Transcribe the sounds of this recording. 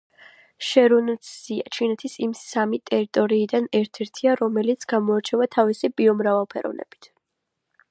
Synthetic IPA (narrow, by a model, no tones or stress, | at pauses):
ʃɛɾunssia̰t͡ʃʰinɛt̪ʰisimsamit̪ʼɛɾit̪ʼɔɾiːd̪anɛɾt̪ʰɛɾt̪ʰiaɾɔmɛlit̪sʰɡ̥amɔaɾt͡ʃʰɛvat̪ʰavisibiɔmɾavalˠpʰɛɾɔ̰vnɛ̰b̥i̥t̪ʰ